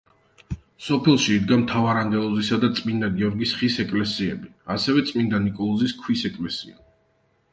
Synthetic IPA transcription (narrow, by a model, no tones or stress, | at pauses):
sɔpʰɛlˠʃiːd̪ɡamt̪ʰavaɾaŋɡ̪ɛlˠɔzisad̪at̪sʼmind̪aɡiɔɾɡisχisɛkʼlɛsiɛ̰biasɛvɛt̪sʼmind̪anikʼɔlˠɔziskʰwisɛkʼlɛsia̰